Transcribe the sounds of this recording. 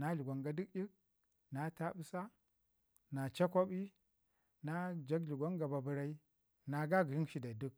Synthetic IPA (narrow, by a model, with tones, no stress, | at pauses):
na˦ɮu˨ɡʷa˨ŋɡa˨di˦kji˦k̚ | na˨ta˦ɓu˦sa˦ | na˨t͡ʃa˦kʷo˦ɓi˦ | na˦d͡ʒa˦ɡɮu˨ɡʷa˦ŋɡa˨ba˨bu˨ɾa˦i˦ | na˨ɡa˦ɡɾi˦nʃi˦da˨du˦k̚